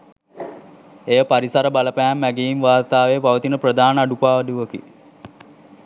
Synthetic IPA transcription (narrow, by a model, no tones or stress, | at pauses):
ejəpaɾisaɾəbaləpæɦæmːæɡeinʋaːrt̪aːʋejːpaʋət̪inəprəd̪aːnəaɖupaːʋəd̪uʋəkḭ